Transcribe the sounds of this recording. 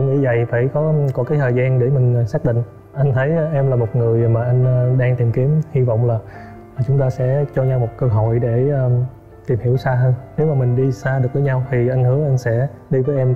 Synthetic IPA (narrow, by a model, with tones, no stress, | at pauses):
ɨ̰˧˦ŋḭ˧˥və̰˧˨jfaː˧˩jkɔ˨˦kɔ˨˦kaː˨˦jt̪ʰəː˨˩zaː˧nɗe˧˩mï˨˩ŋ̟˨˩saː˦˥k̚ɗḭ̈˧˨ŋ̟ | ʔa˧jŋ̟t̪ʰə˨˦jʔɛ˧mlaː˨˩mo˨˩t̚ŋɨ˨˩əjmaː˨˩ʔa˧jŋ̟ː˧ɗaː˧ŋt̪i˨˩mki˨˦mhi˧vɔ̰˧˨wŋ͡mlaː˨˩˨ | t͡ɕʊ˨˦ŋ͡mt̪aː˧sɛ̰˧˥t͡ɕɔ˧ɲa˧wmo˨˩t̚kəː˧ɦo̰˧˨jɗeː˧˩˧ | t̪i˨˩mhi˧˩əwsaː˧ɦəː˧nne˨˦wmaː˨˩mï˨˩ŋ̟ɗi˧saː˧ɗɨ˨˩ək̚vəː˨˦ɲa˧wt̪ʰi˨˩ʔa˧ŋhɨ˨˦əʔa˧jŋ̟sɛ̰˧˥ɗi˧vəː˨˦jʔɛ˧m